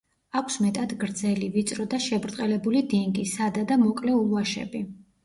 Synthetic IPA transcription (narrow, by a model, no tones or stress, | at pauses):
akʷʰsmɛt̪ʼad̪ɡɾd̪zɛlivit̪sʼɾɔd̪aʃɛbɾt̪ʼqʼɛlɛbulid̪ɛŋɡʼisad̪ad̪amɔkʼlɛulˠuaʃɛ̰bi